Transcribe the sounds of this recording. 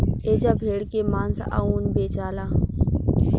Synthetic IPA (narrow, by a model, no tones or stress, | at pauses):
eːd͡ʒaːbʱeːɽkemãːnsa̰ːuːnbeːt͡ʃaːlãː